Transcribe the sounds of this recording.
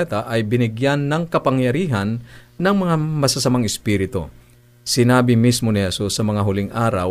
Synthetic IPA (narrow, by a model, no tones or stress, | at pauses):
ɛt̪ɐʔɐjbɪnɪɡjanːɐŋkɐpɐŋjɐɾiːɦɐnːɐŋmɐŋamɐsɐsɐmaŋɪspiːɾɪt̪o̞̰ | sɪnaːbɪmismonɪhɛsusːɐmɐŋaɦʊlɪŋʔaːɾɐ̰w